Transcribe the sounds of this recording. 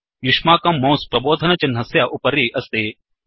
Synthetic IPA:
jʊʃmaːkɐmːɐ̃ːspɾɐboːd̪ʱɐnɐt͡ʃɐnɦɐsjaːʔʊpɐɾiːʔɐst̪eː

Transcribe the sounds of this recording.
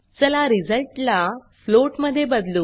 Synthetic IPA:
t͡səlaɾid͡zəlʈla | floʈməd̪ʱːjebəd̪luː

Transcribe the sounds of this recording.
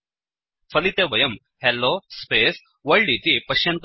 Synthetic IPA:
fʰɐlit̪eʋɐjɐm | helːoːspeːs | ʋɐɻɽit̪ipɐʃjɐnt̪

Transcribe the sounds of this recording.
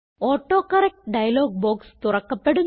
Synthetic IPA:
oːʈːo̞ːkːɐrek̚ʈɖɐjɐlo̞ːɡ̚boːkst̪urɐkːɐpːe̞ɽu

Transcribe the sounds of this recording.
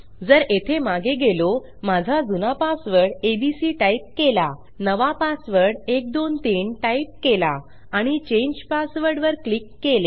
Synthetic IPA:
d͡zəɾet̪ʰemaɡeɡelo | mad͡zʱad͡zunapasʋəɽebisiʈaip̚kela | nəʋapasʋəɾɽek̚d̪ont̪iɳʈaip̚kela̰ | aɽ̃it͡ɕẽɲd͡ʑpasʋəɾɽʋəɾklikːele

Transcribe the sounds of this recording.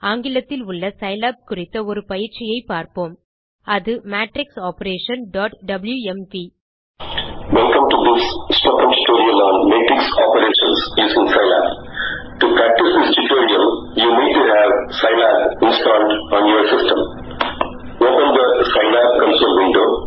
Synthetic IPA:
aːŋɡɪlɐt̪ːɪlʊɭːɐsɐɪlaːp̚kʊrɪt̪ːɐɔɾɯpɐjɪɾt͡ʃɪjɐɪpːaːɾpoːm | ɐðɯmaːʈɾɪksaːpɐɾeːʃɐ̃nɖɔːʈɖɐbljuɛmpi | ʋɛlkɐ̃mʈud̪ɪssʈoːkə̃mt͡ʃʊʈoːɾiɐ̃mɔ̃ːnmeːʈɾɪksɔːpəɾeːʃə̃nsjuːsɪ̃ŋsɐɪla̰ːp | ʈupɾæk̚ʈɪsd̪ɪsʈuʈoːɾiɐ̃mjuːniːɖ̚ʈuɦæʋsaɪlaːpɪ̃nsʈãːɳɖɔ̃ːnjoːɾsɪsʈə̃m | oːpə̃nd̪əsɐɪlaːp̚kɐ̃nsoːlʋɪ̃ɳɖo̰ː

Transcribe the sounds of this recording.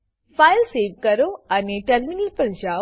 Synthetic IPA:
fajlseːʋkəɾoaneʈɐɾminəlpə̃nd͡ʑaː

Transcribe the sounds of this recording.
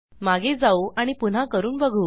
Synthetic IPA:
maɡʱed͡zauʔaɽ̃ipun̤akəɾuːnbəɡʱuː

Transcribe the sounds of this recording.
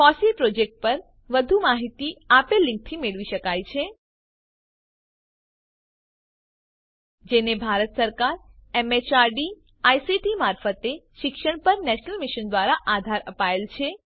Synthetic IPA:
fɔsilpɾod͡ʒek̚ʈ̚pəɾ | ʋəd̪ʱumaɦit̪iapelːɪ̃ŋk̚t̪ʰimeɭʋiʃəkajt͡ʃʰe | d͡ʒenebʱaɾət̪səɾkaɾemet͡ʃaɾɖi | ajsiʈimaɾfət̪eʃɪkʃəɳpəɾnɛʃnəlmiʃənd̪ʋaɾaʔad̪ʱaɾəpaelt͡ʃʰe

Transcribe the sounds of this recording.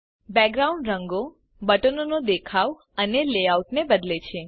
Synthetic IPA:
bɛɡɾaũɳɖɾəŋɡo | bəʈənonod̪ekʰaʋ | əneleauʈnebəd̪let͡ʃʰe

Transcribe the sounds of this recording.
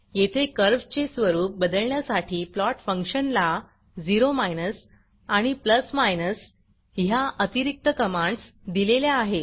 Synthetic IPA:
jet̪ʰekəɾʋt͡ɕesʋəɾuːp̚bəd̪əɭɳjasaʈʰiːplɔʈfə̃ŋkʂənla | d͡ziɾomajnəs | aɽ̃ipləsmajnəs | ɦjaʔət̪iɾik̚t̪əkəmãɳɖsd̪ilelaaɦe

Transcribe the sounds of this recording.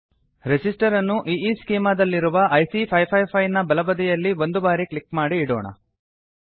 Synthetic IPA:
ɾesisʈɐɾɐnːuʔiːiːskiːmaːd̪ɐlːiɾuʋɐʔɐjsipʰɐjpʰɐjpʰɐjnɐbɐlɐbɐd̪ijɐlːiʋo̞nd̪ubaːɾikɭikmaːɽiːɽoːɳɐ̰

